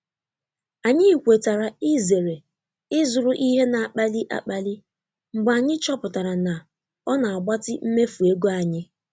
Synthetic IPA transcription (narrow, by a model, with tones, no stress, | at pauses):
a˨ɲɪ˦˨kʷe˨ta˨ɾa˨ɪ˦ze˨ɾe˨ | ɪ˦zʊ˨ɾʊ˨ʔi˦ɦe˦na˨a˨k͡pa˦li˦ʔa̰˨k͡pa˨li˦ | ŋ͡m̩˨ɡ͡ba˨ɲɪ˦t͡ʃɔ˦pʊ˨ta˨ɾa˨na˨ | ɔ˦na˨a˨ɡ͡ba˦tɪ˦m̩˦me˦fu˨e˦ɡo˦a˨ɲɪ˦